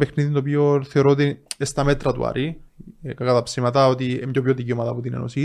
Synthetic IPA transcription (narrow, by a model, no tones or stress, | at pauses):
pexniðint̪op̬ioθe̞o̞ɾoot̪iest̪ɐmet̪ɾɐt̪ṵɐ̰ɾʔikɐkɐt̪ɐpsimɐt̪ɐot̪iemɟopçoðiciomɐðɐpot̪inḛno̰si